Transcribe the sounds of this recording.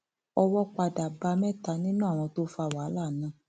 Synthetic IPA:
ɔ˧wɔ˦k͡pa˧da˨ba˧mɛ̃˦˨ta˧nĩ˦nũ˦˨w̃ɔ̃˧to˦fa˧˨wa˨˦la˦˨nã˨˦

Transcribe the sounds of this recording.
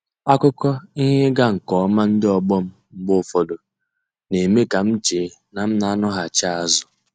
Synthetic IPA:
a˦kʊ˦kɔ˦i˦ɦe˦ɡa˦ŋ̩˨kɔ˨˦ma˦n̩˦dɪ˦ɔ˨ɡ͡bɔ˦m̩˦ŋ͡m̩˦ɡ͡bʊ˦˨fɔ˨do˨ | ne˨me˦ka˨m̩˦t͡ʃe˨˦ | na˨m̩˦na˨a˦nʊ˦ɦa˨t͡ʃa˦a˨zʊ˨

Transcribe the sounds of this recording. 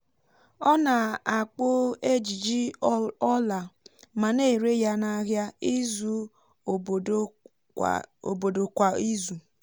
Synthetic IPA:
ɔ˦na˨a˨k͡po˦e˦d͡ʒi˨d͡ʒi˦ɔ˦la˨ma˨ne˦˨ɾe˦ja˦na˦ɦja˦i˦zu˦˨˦ | o̰˨bo˨do˨kʷa˨i˦zu˨

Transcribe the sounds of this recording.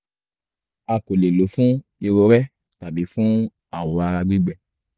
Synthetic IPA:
a˧˨ko˨le˨lo˨˦fũ˦i˧ɾo˧ɾɛ˦ | ta˨bi˨˦fũ˦ | a˦˨wo˨˦a˧ɾa˧ɡ͡bi˦ɡ͡bɛ˧

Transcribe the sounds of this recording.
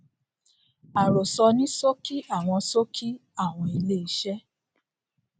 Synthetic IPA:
a˨ɾo˨sɔ˧nĩ˦so˦ki˦a˦˨w̃ɔ̃˧so˦kʰi˦a˦˨w̃ɔ̃˧i˧le˦i˧ʃɛ˦

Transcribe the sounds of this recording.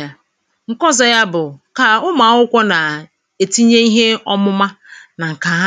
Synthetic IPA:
a˦ | ŋ̩˨kɔ˦zɔ˨ja˦bʊ˨ka˨ʊ˦ma˨˦ʊ˦kʷɔ˦na˨ | e˨ti˦ɲe˦i˦ɦe˦ɔ˦mʊ˦ma˦na˨ŋ̩˨ka˨ɦa˦

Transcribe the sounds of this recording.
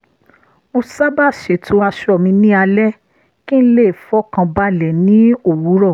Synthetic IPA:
mo˧sa˦ba˦˨ʃe˨tʰu˨˦a˧ʃɔ˦˨mĩ˧nĩ˦a˧lɛ˦ | kĩ˦n̩˦le˦˨fɔ˦kã˧ba˧˦lɛ˨nĩ˨˦o˦˨wu˨˦ɾɔ˦˨

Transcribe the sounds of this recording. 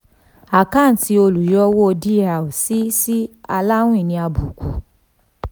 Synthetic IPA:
a˨kã˦˨n̩˨ti˧o˧lu˨jɔ˦wo˦o˧di˦a˨o˨si˦si˦a˧la˦w̃ĩ˦˨nĩ˧a˧bu˨kʰu˨

